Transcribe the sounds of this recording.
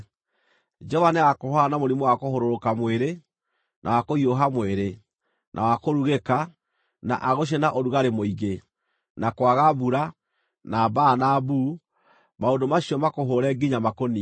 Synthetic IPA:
d͡ʒɔvanɛakohaanamoɾimɔwakohoɾoɾokamweɾe | nʔa̰wakoioɦamweɾe | nʔa̰wakoɾuɣeka | na̰ʔaɣoʃ̬enaʔoɾuɣaɾemoiɣe | nakwaɣaβuɾa | nabaːnabu | maondomaɕiɔmakoɦoɾɛɡiɲamakoni

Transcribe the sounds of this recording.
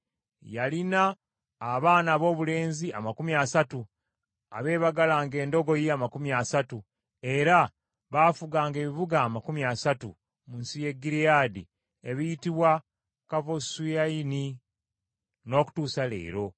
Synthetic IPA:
jalinaː | βaːnaːβo̞ːβule̞ːnzia̰makumiasatu | a̰βe̞ːβaɡalaːŋɡe̞ːndo̞ɡo̞jeamakumiasatu | e̞ɾa | βaːfuɡaːŋɡe̞ːβiβuɡaːmakumiasatṵ | munsije̞ɡːiɾijaːdḭ | eβijitiβwa | kavo̞sujaini | no̞ːku̥tuːsale̞̰ːɾo̞

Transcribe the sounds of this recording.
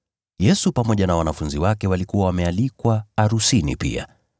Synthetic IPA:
jɛsupamɔʄanawanafunziwakɛwalikuwawamɛalikwaːɾusinḭpḭa̰

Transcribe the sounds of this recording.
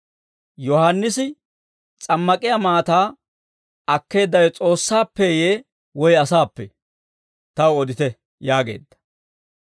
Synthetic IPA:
jɔhanːɪsɪ | t͡sʼɐmːɐkʼɪjamaːt̪aː | ɐkːe̞ːd̪ːɐjɔt͡sʼo̞ːsːaːpːɛjeː | wɔjɐsaːpːɛ | t̪ɐwɔd̪ɪt̪ɛ | jaːɡe̞̰ːd̪ːɐ̥

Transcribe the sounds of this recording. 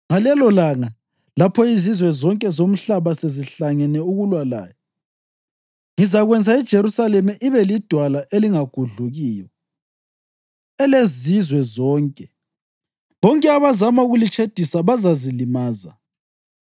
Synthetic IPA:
ŋalɛlɔlaŋa | lapʰɔizizwɛzɔŋkʼɛzom̩ɬaβaseziɬaŋɛnɛuɣulwala̰ːjɔ | ŋizaɣwɛnd͡zʱaid̥ʒ̥ʱeɾusalɛmɛʔiβɛlid̥ʱwalaʔeliŋaɡ̥ʱuɮuɣiːjɔ | ɛlezizwɛzɔːŋkʼɛ | βɔŋkʼɛaβazamauɣulit͡ʃʰʼed̥ʱisaβazazilimaːza̰

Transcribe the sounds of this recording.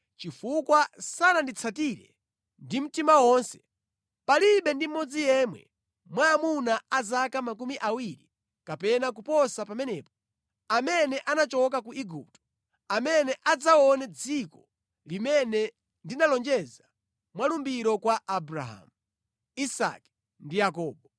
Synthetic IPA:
t͡ʃifukwasanandit͡sʰatiɾɛ̰ | ndim̩timawɔnsɛ̥ | paliɓɛndim̩mːɔd͡zijɛmwɛ̰ | mwaːmunaazakamak̬umiʔawiɾi | kapɛnakupɔsapamɛnɛːpɔ̥ | amɛnɛʔanat͡ʃɔk̬akuʔiɡṵp̚tɔ̥ | amɛnɛʔad͡zaɔnɛd͡zikɔ | limɛnɛ | ndinalɔnd͡ʒɛza | mwalumbiɾɔkwaʔabɾa̰ɦa̰ːmu | isa̰ki̥ | ndijak̬ɔːɓɔ

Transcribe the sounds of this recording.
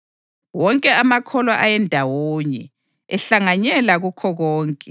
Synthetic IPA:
wɔŋkʼɛamakʰɔlaʔajɛndʱawoːɲɛ̰ | ɛɬaŋaɲɛlaɣukʰɔɣɔːŋkʼɛ

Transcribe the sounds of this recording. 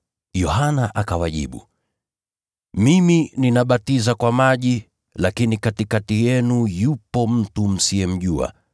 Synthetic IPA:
jɔhanaʔakawaʄḭɓṵ | mimininaɓatizakwamaʄi | lakinikatikatijɛnujupɔm̩tum̩siɛm̩ʄua̰

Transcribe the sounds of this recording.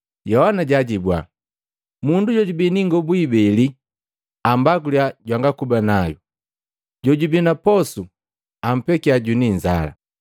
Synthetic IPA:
jɔhanaɟaɟibwa̰ | munduɟɔɟubiniŋɡɔbuibɛli | ambaɡuljaɟwaŋɡakubanaju | ɟɔɟubinapɔsu | am̩pɛkiaɟuniɲza̰la̰

